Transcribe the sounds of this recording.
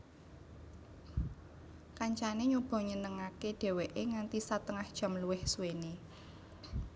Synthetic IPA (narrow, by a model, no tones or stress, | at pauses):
kaɲt͡ʃaneɲub̥ɔ̤ɲənəŋakeɖ̥e̤weʔeŋant̪isat̪əŋahd̥ʒ̥ä̤mluwɪhsuweni